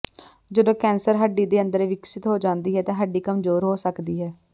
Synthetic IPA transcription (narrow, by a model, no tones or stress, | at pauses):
d͡ʒəd̪õːkɛːnsəɾɦəɖːiːd̪eːə̃nd̪əɾeʋɪksɪt̪ɦoːd͡ʒãːnd̪iːɦɛːt̪ãːɦəɖːiːkəmzoːɾɦoːsəkd̪iːɦɛː